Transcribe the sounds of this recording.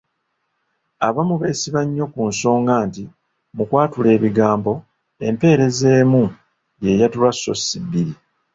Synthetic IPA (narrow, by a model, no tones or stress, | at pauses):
aβamuβe̞ːsiβaɲːo̞kunso̞ːŋɡaːnti | mukwaːtule̞ːβiɡaːmbo̞ | e̞mpe̞ːɾe̞ze̞ːmu | je̞jatulwasːo̞sːibːiɾi